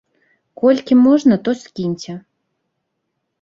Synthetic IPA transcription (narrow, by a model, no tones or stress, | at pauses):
kolʲkʲimoʒnət̪oskʲinʲtʲɘ